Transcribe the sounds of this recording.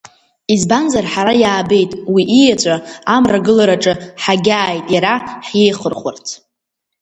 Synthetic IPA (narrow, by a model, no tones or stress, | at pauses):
izbanzarħaɾajaːbe̞jtʼwiʔijat͡ʃʷʼaamraɡɨlaɾaʈ͡ʂʼɨħaɡʲaːjtʼjaɾaħjejχərχʷʊrt͡sʰ